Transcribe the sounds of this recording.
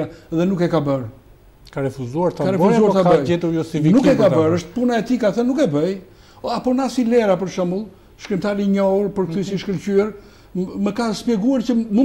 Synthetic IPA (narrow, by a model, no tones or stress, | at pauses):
aɛðɛnukɛkabəɾ | kaɾɛfuzuaɾt̪akaɾɛfuzuaɾt̪aəjɛt̪uɾjɔsivinukɛkabəɾəʃt̪̚punaɛt̪ikaθənːukɛbəj | apɔnasilɛɾapəɾʃəmulˠ | ʃkɾɛmt̪aɾiɲɔuɾpəɾkt̪ysiʃkəlcyɛɾ | məkaspjɛɡuaɾcəmu